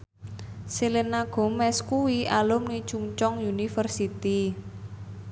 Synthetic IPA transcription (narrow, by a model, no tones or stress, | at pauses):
silenaɡ̥ɔ̤mːɛskuwiʔalʊmni̥t͡ʃuŋt͡ʃɔŋjunifərsit̪i